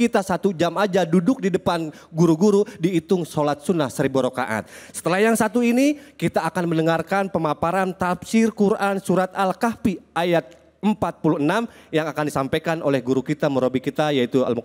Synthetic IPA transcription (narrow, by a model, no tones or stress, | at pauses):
it̪asat̪ud͡ʒamad͡ʒadudʊk̚didəpan | ɡuɾuɡuɾudiːt̪ʊŋsolat̪̚sunahsəɾibuɾoka̰ʔa̰t̪̚sə̥t̪əlahjaŋsat̪uinikit̪aːkanmənəŋarkanpəmapaɾant̪apsɪrkuɾʔansuɾat̪alkapiʔajat̪̚ | əmpat̪̚puluənamjaŋakandisampajkanʔolɛhɡuɾukit̪aməɾobikit̪ajait̪ua̰lm